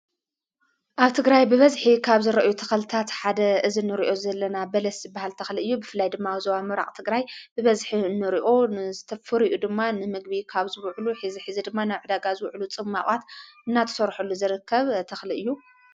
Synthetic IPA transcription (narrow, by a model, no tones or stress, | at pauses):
ʔaβt̪ʰɨɡɾajbɨβɐzħikʰaβzɨɾɐʔjut̪ʰɐxɐlɨt̪ʰat̪ħad̪ɐʔɨzinɨɾiʔo̞zɐlːɐnabɐlɐszɨbːahalt̪ʰɐxliɨjːubɨfɨlːajd̪ɨmːawizɐβamɨɾa̰kʼt̪ʰɨɡɾajbɨβɐzħinɨɾiʔo̞nɨzɨt̪ʰɐfɨɾiʔud̪ɨmːanɨmɨɡbikʰaβzɨwʕluħiziħɨzid̪ɨmːanaβʕɨd̪aɡazɨwʕlut͡sʼɨmːa̰χʼat̪ɨnːat̪ʰɐ̥sɐɾħulːuzɨɾɨkʰːɐβt̪ʰɐxliɨjːu